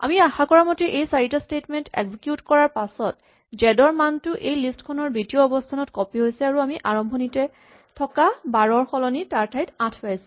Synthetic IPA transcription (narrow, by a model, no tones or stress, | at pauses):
a̰miaxakɔɹamɔtiʔejsaɹitɔstetmɛntḛɡzikjutkɔɹaɹpasɔt | d͡ʒɛdɔɹmantʊʔejlistkʰɔnɔɹbitioɔbɔstʰanɔtkɔpiɦojsɛaɹuamiʔaɹɔmbʱɔnitɛ | tʰɔkabaɹɔɹxɔlɔnitaɹtʰajtãtʰpajsʊ̥̃